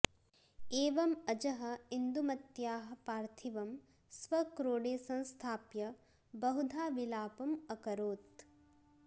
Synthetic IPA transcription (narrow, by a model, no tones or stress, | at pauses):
eːʋɐmɐd͡ʒɐɦɐ̆ind̪umɐt̪jaːɦɐ̆paːɾt̪ʰiʋɐm | sʋɐkɾoːɽeːsɐ̃nst̪ʰaːpjɐ | bɐɦud̪ʱaːʋilaːpɐmɐkɐɾoːt̪